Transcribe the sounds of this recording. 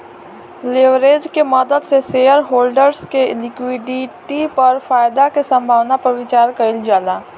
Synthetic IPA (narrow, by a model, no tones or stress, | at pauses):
leʋɾeːd͡ʒkemɔd̪əd̪seseːəɾɦoːlɖəɾskelɪkwiːɖiʈipɐɾfaːjd̪akesə̃mbʱaːʋnapɐɾʋɪt͡ʃaːɾkɐɪld͡ʒaːlaː